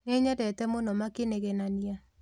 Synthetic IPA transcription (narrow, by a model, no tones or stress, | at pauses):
neɲɛdɛtɛmonɔmakeneɣɛnania